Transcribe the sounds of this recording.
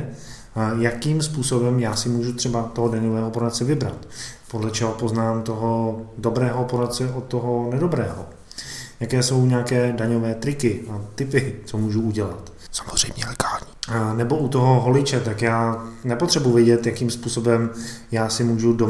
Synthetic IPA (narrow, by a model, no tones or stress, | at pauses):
jakiːmspuːso̞bɛmjaːsɪmuːʒut̪r̥ɛbat̪oɦodaɲovɛːɦopoɾat̪̚t͡sɛvɪbɾa̰t̪podlɛt͡ʃɛɦopo̞znaːmt̪o̞ɦodo̞bɾɛːɦopoɾat̪t͡sɛʔot̪ːoɦo̞nɛdobɾɛːɦo̰ | jakɛːso̞wɲaːkɛːdaɲovɛːt̪ɾɪkɪat̪ɪpɪt͡somuːʒuuɟɛlat̪ | sḁmozr̝ɛjmɲɛlɛɡaːlɲiːnɛbo̞ut̪o̞ɦo̞ɦo̞lɪt͡ʃɛt̪akjaːnɛpot̪r̥ɛbuvjɛɟɛt̪jakiːmspuːso̞bɛm | jaːsɪmuːʒudo